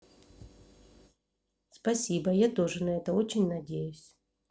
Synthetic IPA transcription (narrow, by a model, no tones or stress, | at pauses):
spɐsʲibəjat̪o̞ʐɨnɐɛt̪əo̞t͡ɕɪnʲnɐdʲejʉsʲ